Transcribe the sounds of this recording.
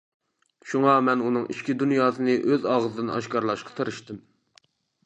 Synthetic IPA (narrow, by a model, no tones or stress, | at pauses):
ʃuŋɑmɛnunɨŋʔiʃkʲid̪unjɑːsɨnɨʔøzɑʁəzɨd̪ɨnɑ̰ʃkɑɾlˠɑʃqɑ̥t̪ʰəɾɨʃt̪ɪm